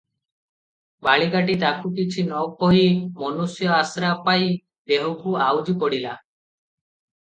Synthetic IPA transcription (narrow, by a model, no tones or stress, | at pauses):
baɭiɡaʈit̪akʰukit͡ʃʰinɔwkɔɦimɔnusjɔasɾapaj | d̪eɦukuawd͡ʒipɔɽila